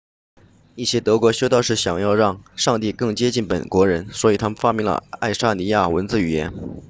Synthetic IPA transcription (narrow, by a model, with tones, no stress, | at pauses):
i˥˩ɕjɛ˥t̪ɤ˧˥kwɔ˧˥ɕjo˥ʊt̪ɑ˥˧ʊʂɻ̩˥˩ɕjɑ˨˩ŋjɑ˥˧ʊɻɑ˥˧ŋʂɑ˥˧ŋt̪i˥˧kɤ˥˩ŋt͡ɕjɛ˥t͡ɕi˥˩npə̰˨˩nkwɔ˧˥ɻə˧˥nswɔ˧˥i˨˩t̪ʰa˥mə˨nfa˥mi˧˥ŋlə̰˧a˥˩ɪʂa˥ni˧˥ja˥˩wə˧˥nt͡sɹ̩˥˩y˨˩jɛ̰˧˥n